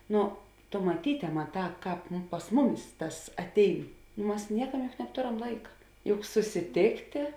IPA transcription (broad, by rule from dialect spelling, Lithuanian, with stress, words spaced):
ˈnʊ tʊ mɐˈtʲiːtʲɛ ˈmɑːˌtɑː ˈkɑːp pɐs ˈmʊˌmʲɪs ˈtɐs ɐtʲˈɛɪn ˈmɐs ˈnʲiɛkɐm jʊk nɐpˈtoːrɐm ˈlˠɐɪkɐ jʊk sʊsʲɪˈtʲeːktʲeː